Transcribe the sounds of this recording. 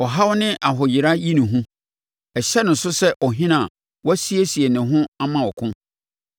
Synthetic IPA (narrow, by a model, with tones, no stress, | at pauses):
ɔ˨ɦa˦wnɪ̃˦ʔa˨ɦʊ˨jɪ˨ɾa˦ji˦nɪ̃˨ɦũ˦ | ɛ˨ɕɛ˦nʊ̃˨n˨sʊ˦sɛ˦ʔɔ˨ɦɪ̃˦nã˨ | wɔ˦si˦e˦si˨e˨nɪ̃˨ɦʊ̃˦a˦mã˦wɔ˨kʰʊ̃˦